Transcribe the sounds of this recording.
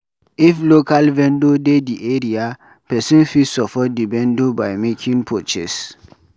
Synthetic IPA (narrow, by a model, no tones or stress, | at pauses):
iflokalvɛ̃ndodediʔeɹia | pɛsĩnfisɔpɔt̚divɛ̃ndobajmekʰĩŋpʰot͡ʃɛs